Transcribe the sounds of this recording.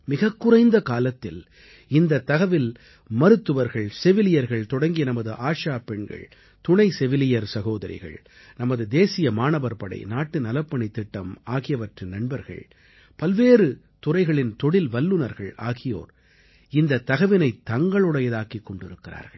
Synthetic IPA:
mɪɣɐkːʊrɐɪnd̪ɐkaːlɐt̪ːɪl | ɪnd̪ɐt̪ːɐɣɐʋɪl | mɐɾɯt̪ːɯʋɐɾɣɐɭsɛʋɪlɪjɐɾɣɐɭt̪ɔɽɐŋɡɪjɐnɐmɐðɯʔaːʂaːpɛɳɡɐ̰ɭ | t̪ʊɳɐɪsɛʋɪlɪjɐɾsɐɣoːðɐɾɪ̰ɣɐ̰ɭ | nɐmɐðɯd̪eːsɪjɐmaːnɐʋɐɾpɐɽɐ̰ɪnaːʈːɯnɐlɐpːɐɳɪt̪ːɪʈːɐmaːɣɪjɐʋɐʈrɯnɐɳbɐɾɣɐ̰ɭ | pɐlʋeːrɯ | t̪ʊrɐɪɣɐɭɪnt̪ɔɽɪlʋɐlːɯnɐɾɣɐɭaːɣɪjo̰ːɾ | ɪnd̪ɐt̪ːɐɣɐʋɪnɐɪt̪ːɐŋɡɐɭɯɽɐjɐðaːkikːɔɳɖɪɾɯkːɪra̰ːɾɣɐɭ

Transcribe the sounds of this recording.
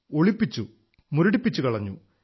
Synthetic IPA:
oɭipːit͡ɕːu | muɾuɽipːit͡ɕːukɐɭɐɲːṵ

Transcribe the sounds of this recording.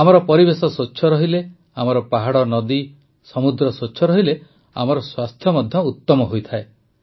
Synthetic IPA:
amɔɾɔpɔɾibesɔsoːt͡ʃʰɔɾɔɦile | amɔɾɔpaɦaɽɔnɔd̪i | sɔmud̪ɾɔsot͡ʃʰɔɾɔɦile | a̰mɔɾɔswast̪ʰjɔmɔd̪ʱjɔut̪ːɔmɔɦojt̪ʰae

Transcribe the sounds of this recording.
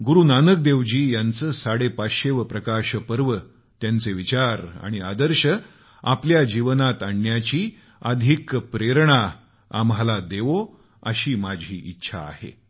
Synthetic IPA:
ɡuɾuːnanək̚d̪eʋd͡ʑiːjant͡səːsaɽepaɕeʋəpɾəkaɕəpəɾʋə | t̪jant͡seʋit͡ɕaɾa̰ɽ̃iad̪əɾɕə | a̰pljad͡ʑiʋənat̪aɳːjat͡ɕiː | əd̪ʱikpɾeɾɳ̃a | a̰mɦalad̪eʋo | ə̰ɕiːmad͡ʑʱḭːʔitːɕʰa̰ːhḛ

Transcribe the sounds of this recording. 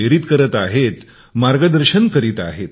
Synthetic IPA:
eɾiːt̪kəɾət̪aɦet̪ | maɾɡəd̪əɾɕənkəɾiːt̪a̰ɦet̪

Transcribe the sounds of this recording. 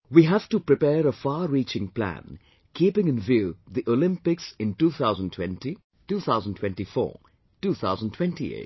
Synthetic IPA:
wiɦæv̥ʈupɾɪpɛːɾəfaːɾiːt͡ʃɪ̃ŋplæ̰̃n | kʰiːpɪ̃ŋɨ̃nvjuːd̪iʔolɪ̃mpɪksɪ̃ntuːt̪ʰaʊzə̃ntʰw̥ɛ̰̃nti | tuːt̪ʰaʊzə̃ntʰw̥ɛ̃nʈifɔ̰ː | tuːθʰa̰ʊzə̃ntʰwɛ̃ntḭḛɪt

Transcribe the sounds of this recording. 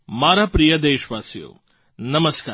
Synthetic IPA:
maːɾapɾijɐd̪eːʃʋaːsijo̰ː | nɐməskaː

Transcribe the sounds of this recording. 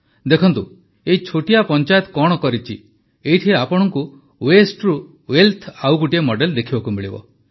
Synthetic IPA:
d̪ekʰɔnt̪u | eit͡ʃʰoʈijapɔnt͡ʃajɔt̪ɔ̥kɔɽ̃ɔkɔɾit͡ʃʰi | eit̪ʰieapɔɽ̃ɔŋku | wesʈɾu | welt̪ʰawɡuʈiemɔɖeld̪ekʰibakumiɭibɔ̰

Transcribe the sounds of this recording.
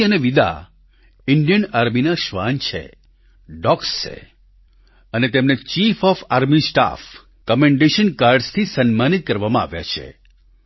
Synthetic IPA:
əneʋid̪a̰ | ɪɳɖijənaɾminaʃʋa̰nt͡ʃʰḛ | ɖɔkst͡ʃḛ | ənet̪emnet͡ʃifɔfaɾmisʈa̰f | kɔmẽɳɖeʃənkaɾɖst̪ʰisənmanit̪̚kəɾʋamãa̰ʋja̰t͡ʃʰḛ

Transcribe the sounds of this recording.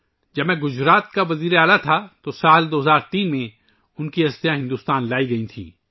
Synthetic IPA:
d͡ʒɐbmɛ̃ɡʊd͡ʒɾaːt̪̚kaʋɐziːɾeaːlat̪ʰat̪osaːld̪oːɦɐzaːɾt̪iːnmẽ | ʊnkiɐst̪ijãɦɪ̃nd̪uːst̪aːnlaːiɡɐĩt̪ʰḭ̃ː

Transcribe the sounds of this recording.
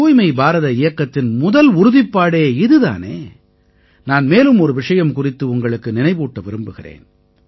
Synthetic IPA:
uːjmɐɪbaːɾɐðɐɪjɐkːɐt̪ːɪnmʊðɐlʊɾʊðɪpːaːɽeːɪðɯða̰ːnḛː | naːnmeːlɯmɔɾɯʋɪʂɐjɐmkʊrɪt̪ːɯʊŋɡɐɭɯkːɯnɪnɐɪʋuːʈːɐʋɪɾɯmbɯɣɪrḛːn

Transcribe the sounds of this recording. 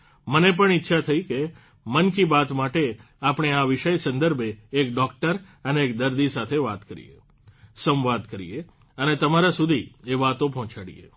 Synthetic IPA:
mənep̬əɳitːʃʰat̪ʰəike | mənkibat̪maʈe | apɳ̃eaʋiʃəjsə̃nd̪əɾbʱeːkɖɔkʈəɾ | əneːk̚d̪əɾd̪isat̪ʰeʋat̪kəɾḭjḛ | sə̃mʋad̪kəɾḭje | ənet̪əmaɾasud̪ʱieʋat̪õpɔɦt͡ʃaɽḭjḛ

